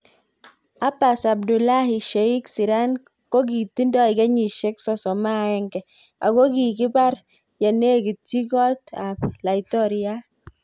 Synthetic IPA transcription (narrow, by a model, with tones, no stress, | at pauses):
a˦pa˨sa˨b̚du˨la˦hi˨ʃɛ˨i˦ksi˨ɾa˦n | ko˦k̬i˨ti˦ndɔ˦i˨kɛ˦ɲi˨ʃɛ˦ksɔ˦sɔ˨ma˦ɛ˦ŋɡɛ˨ | a̰˨ɡo˦ki˨ki˦ba˦ɾ | jɛ˨ne˦ki˨ti˦kɔ˦ta˨pla˨i˨tɔ˦ɾi˦a˦